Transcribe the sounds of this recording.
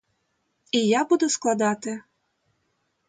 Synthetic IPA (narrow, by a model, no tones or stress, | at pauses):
ijɑbud̪osklˠɑd̪ɑt̪ĕ